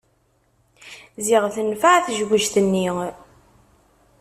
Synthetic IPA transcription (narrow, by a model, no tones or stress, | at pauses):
ziʁθənfaʕθʒɡəʒθənːi